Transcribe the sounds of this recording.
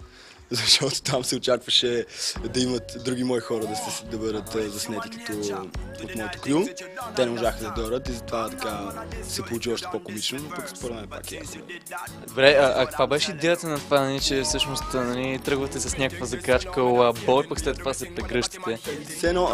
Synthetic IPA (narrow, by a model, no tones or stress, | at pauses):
zɐʃt̪ɔt̪o̥t̪amsɛot͡ʃakvəʃɛd̪ɐimət̪d̪ɾuɡ̟imɔixɔɾəd̪ɐsd̪ɐbəd̪ət̪ːzɐsnɛt̪ik̪ət̪oot̪mɔɛt̪o̥kɾʲjut̪ɛnɛmoʒaxəd̪ɐd̪ɔɾət̪izɐt̪ovat̪ɐkasɛpolˠut͡ʃiɔʃt̪ɛ̥pokomit͡ʃnonopəkspoɾɐvɛɛpa̰kija̰sɛ̰ | d̪obɾɛɐʔɐkkvabɛʃɛid̪ɛjət̪ənɐt̪ovanɐlit͡ʃɛfsɤʃnost̪nɐlit̪ɾɤɡvɐt̪ɛsɐsnʲakəkvəzɐkat͡ʃkəabɔjpəkslɛt̪ːovasɐpɾɛɡɾɤʃt̪i̥t̪ɛsɛːnɔ